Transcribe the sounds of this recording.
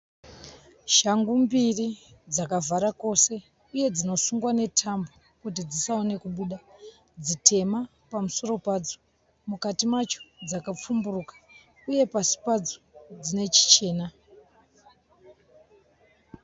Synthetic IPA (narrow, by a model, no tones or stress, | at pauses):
ʃaŋɡumbirid͡zakavaɾako̞se̞ | uje̞d͡zino̞suŋɡwane̞tʰambo | kut̬id͡zisaone̞kuɓuɗa | d͡zite̞ma | pamuso̞ro̞pad͡zo | mukatimat͡ʃo̥d͡zakap͡fumburukḁ | uje̞pasi̥pad͡zod͡zine̞t͡ʃi̥t͡ʃe̞ːna